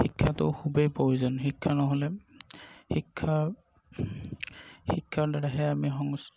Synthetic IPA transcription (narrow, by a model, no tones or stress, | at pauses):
xikʰːatʊ̰kʰubejpoizɔnxikʰːanɔɦɔlɛ | hikʰːa | hikʰːadaɹaɦɛamiɦɔŋs